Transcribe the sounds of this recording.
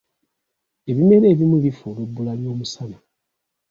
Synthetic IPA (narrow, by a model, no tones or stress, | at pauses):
e̞βime̞ɾe̞ːβimulifulebːulaljo̞ːmusana